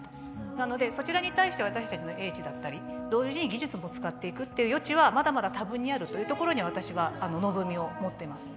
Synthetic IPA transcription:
nano̞d̪e̞so̞t͡ɕiɾaɲ̟it̪aiɕi̥t̪e̞β̞at̪aɕi̥t̪at͡ɕino̞ʔe̞ːt͡ɕid̪at̪ːaɾʲid̪̥o̞ːʑʑiɲ̟iɡʲiʑɨt͡sɨmo̞t͡sɨ̥kat̪ːe̞ikɯ̟t̪ːe̞jɯ̟jo̞t͡ɕiβamad̪amad̪at̪abɯ̟ɲ̟ːiaɾɯ̟t̪o̞jɯ̟ːt̪o̞ko̞ɾo̞ɲ̟iβ̞at̪aɕiβaːno̞no̞zo̞mʲio̞mo̞t̪ːe̞masɨ̥

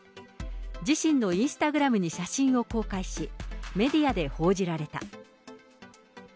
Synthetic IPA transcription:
d͡ʑiɕĩnnːo̞ĩɰ̃sɨ̥t̪aɡɯ̟ɾamɯ̟ɲ̟iɕaɕĩɰ̃o̞ko̞ːkaiɕime̞d̪ʲiad̪e̞ho̞ːd͡ʑiɾaɾe̞t̪a̰

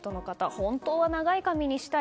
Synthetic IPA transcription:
t̪o̞no̞kat̪ahõ̞nt̪o̞ːβanaɡaikamʲiɲ̟iɕi̥t̪a

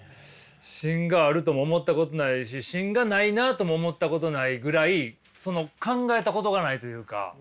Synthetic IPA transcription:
ɕĩŋɡaːɾɯ̟t̪o̞moːmo̞t̪ːako̞t̪o̞naiɕ̬iɕĩŋɡanainat̪o̞moːmo̞t̪ːako̞t̪o̞naiɡɯ̟ɾai | so̞no̞kãŋɡae̞t̪ako̞t̪o̞ɡanait̪o̞jɯ̟ːka̰

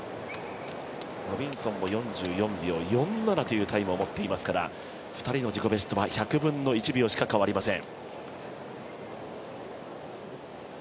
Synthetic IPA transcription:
ɾo̞bʲĩɰ̃sõ̞mːo̞jõ̞ɲ̟d͡ʑɨːjõ̞mbʲio̞jõ̞nːaɾat̪o̞jɯ̟ːt̪aimɯ̟omo̞t̪ːe̞imasɨ̥kaɾa̰ | ɸɯ̥t̪aɾʲino̞d͡ʑiko̞be̞sɨ̥t̪o̞βaçakɯ̟bɯ̟̃nːo̞it͡ɕibʲio̞ɕi̥kakaβaɾʲimasẽ̞ŋ

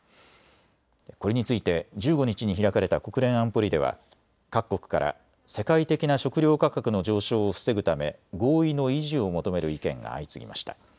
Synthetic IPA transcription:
ko̞ɾe̞ɲ̟it͡sɨit̪e̞d͡ʑɨːɡo̞ɲ̟it͡ɕiɲ̟içiɾakaɾe̞t̪ako̞kɯ̟ɾẽ̞ɰ̃ãmpo̞ɾʲid̪e̞βa̰ | kakːo̞kɯ̟̥kaɾʔa̰ | se̞kait̪e̞kʲinaɕo̞kɯ̟ɾʲjo̞ːkakakɯ̟no̞d͡ʑo̞ːɕo̞ːɸɯ̥se̞ɡɯ̟t̪ame̞ɡo̞ːino̞iʑio̞mo̞t̪o̞me̞ɾɯ̟ikẽ̞̰ŋɡa̰ːit͡sɨɡʲḭma̰ɕi̥t̪ḁ

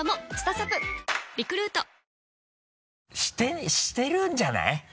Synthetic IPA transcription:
mosɨ̥t̪asapɯɾʲikɯ̟ɾɯ̟ːt̪o | ɕi̥t̪eɕi̥t̪e̞ɾɯ̃ɲd͡ʑana̰j

